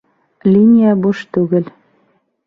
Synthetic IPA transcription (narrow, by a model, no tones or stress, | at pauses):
lʲinʲijæbuʃt̪ʉɣɘ̆l